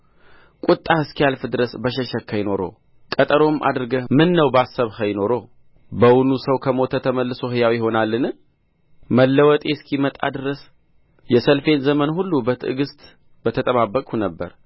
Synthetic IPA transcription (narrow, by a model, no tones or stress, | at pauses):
kʼut̪ʼːahɨskialfɨd̪ɨɾəsbəʃ̬ɛʃəkʰːajɪno̞ɾo̞̰ | kʼət̪ʼəɾo̞mʔa̰d̪ɨɾɨɡəmɨnːəwbasːəβhəjɪno̞ɾo̞ | bəwunusəwkʰəmo̞t̪ʰət̪ʰəməlːɨso̞ɦɨjawijɪho̞nalːɨnɨ | məlːəwɔt̪ʼeskʰimət̪ʼa̰d̪ɨɾəs | jɛsəlfe̞nzəmənhulːubət̪ʰɨɨɡɨst̪ʼ | bət̪ʰət̪ʼəβabːəkʼunəbːə̰ɾ